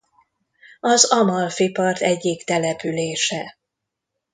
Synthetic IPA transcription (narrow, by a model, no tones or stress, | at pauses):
ɒzɒmɒlfipɒrt̪ɛɟːikt̪ɛlɛpyleːʃɛ